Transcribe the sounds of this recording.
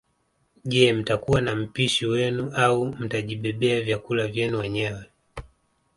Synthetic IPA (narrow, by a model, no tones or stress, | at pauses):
ʄɛm̩takuwanam̩piʃiwɛnuaum̩taʄiɓɛɓɛavjakulavjɛnuwɛɲɛwɛ